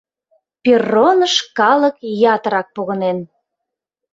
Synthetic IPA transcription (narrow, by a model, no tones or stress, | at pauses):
pʲerːonəʃkɑlˠəkjɑt̪əɾɑk̚poɣənen